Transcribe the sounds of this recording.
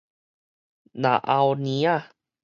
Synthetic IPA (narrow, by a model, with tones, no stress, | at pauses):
na̰˨˩ʔa˧wni˦a˥˩